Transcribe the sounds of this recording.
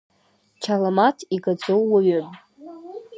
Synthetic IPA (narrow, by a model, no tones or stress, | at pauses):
t͡ʃʰalamatʰiɡad͡zowːaɥʏpʼ